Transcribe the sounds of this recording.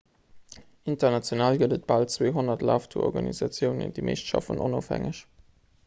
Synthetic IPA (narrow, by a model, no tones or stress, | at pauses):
intɐnɑt͡sjonaːlɡələt̚b̥ɑltt͡sweːɦonɐtlaːftʰuɔ̰ʁɡɑnizɑt͡sjəʊnə̰ndiːmʔḛɪʃtʃɑ̰fənonoːfhæ̰ŋəɕ